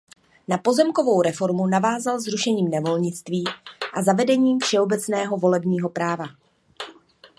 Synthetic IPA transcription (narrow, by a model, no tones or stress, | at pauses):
napo̞zɛmko̞vo̞wɾɛfo̞ɾmunavaːzalzɾuʃɛɲiːmnɛvo̞lɲɪt͡st̪viːʔazavɛdɛɲiːmfʃɛo̞bɛt͡snɛːɦo̞vo̞lɛbɲiːɦo̞pɾaːva